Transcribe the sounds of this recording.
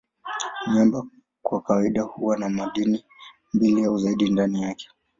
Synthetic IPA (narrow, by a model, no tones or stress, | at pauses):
ɲamba | kwakawaiɗahuwanamaɗini | mbilijauzaiɗindanijakɛ̥